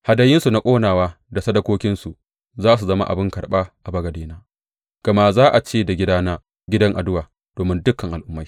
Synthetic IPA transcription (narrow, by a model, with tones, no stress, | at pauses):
ha˨dɐ˨jɪ˦nsu˨na˦kʷʼoː˦naː˨waː˦ | da˨sɐ˦dɐ˦kʷoː˦kʲɪ˦nsu˨ | zaː˦s̬u˨zɐ˦ma˦ʔa̰˨bɪ˦ŋkɐ˨ɽɓa˦ʔa˨bɐ˦ɡɐ˨deː˦naː˦ | ɡ̥ɐ˨ma˦ʔzaː˦ʔa˨t͡ʃeː˦da˨ɡʲɪ˦daː˦naː˦ | ɡʲɪ˦dɐ˦ŋʔa̰˨dʊ˦waː˨ | d̥oː˨mɪ˦ndʊ˦kːɐ˨ŋʔa˨lʔʊ˦mːa˦j